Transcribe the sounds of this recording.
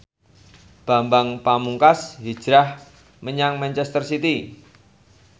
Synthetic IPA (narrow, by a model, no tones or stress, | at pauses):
b̥a̤mbaŋpamuŋkasɦi̥d͡ʒ̥ɾah | məɲaŋmant͡ʃɛst̪ərsit̪i